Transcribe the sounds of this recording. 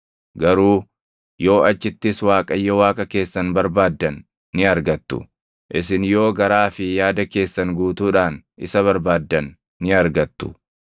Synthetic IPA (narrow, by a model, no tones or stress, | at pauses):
ɡɐɾuː | jo̞ːɐt͡ʃːɪt̪ːɪswaːkʼɐjːɐwaːkʼɐke̞ːsːɐnbɐɾbaːd̪ːɐnː | ɪɐɾɡɐt̪ːʊ̰ | ʔɪsɪnjo̞ːɡɐɾaːfɪjaːd̪ɐke̞ːsːɐŋɡuːt̪uːᶑaːnʔɪ̰sɐβɐɾbaːd̪ːɐnː | ɪɐɾɡɐt̪ːʊ̥̰